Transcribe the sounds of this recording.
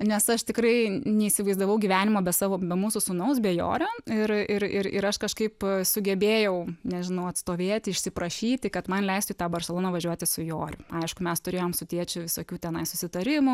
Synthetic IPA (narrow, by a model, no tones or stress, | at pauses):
nʲɛsɐʃt̪ʲɪkɾɐɪnʲɛiːsʲɪʋɐɪzd̪ɐʋɐʊɡʲiːʋʲæːnʲɪmoːbʲɛsɑːʋoːbʲɛmuːsʊsʊnɐʊsbʲɛjo̰ːɾʲoːɪrɪɾɪɾɪ̰ɾɐʃkɐʃkɐɪpsʊɡʲɛbʲeːjɛʊnʲɛʒʲɪnɐʊɐt̪st̪oːʋʲeːt̪ʲɪʃʲsʲɪpɾɐʃʲiːt̪ʲɪkɐt̪mɐnlʲɛɪst̪ʊit̪ɑːbɐrʲsʲɛlˠoːnɐʋɐʒʲuɔt̪ʲɪsʊjoːɾʲʊɐɪʃkʊmʲɛst̪ʊɾʲeːjoːmsʊt̪ʲiɛt͡ʃʲʊʋʲɪsoːkʲuːt̪ʲɛnɐɪsʊsʲɪt̪ɐɾʲɪmʊ